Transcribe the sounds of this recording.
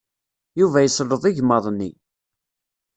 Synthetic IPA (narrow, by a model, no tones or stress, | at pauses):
juvæjəslːəðˤiʝmɑðˤnːi